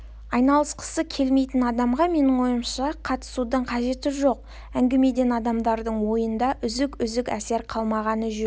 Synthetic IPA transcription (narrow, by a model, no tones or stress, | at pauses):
ɑjnɑlˠəsqʰə̥səkʲʰe̞lme̞jt̪ɪnɑd̪ɑmʁɑme̞nɪŋwo̞jəmʃɑqʰɑt̪ə̥sud̪əɴqʰɑʒe̞t̪ɪʒo̞q̚ | æŋɡʲeme̞d̪e̞nɑd̪ɑmd̪ɑɾd̪əɴwo̞jənd̪ɑʔʏzɪkʏzɪkæse̞ɾqʰɑlˠmɑʁɑnəʒʏ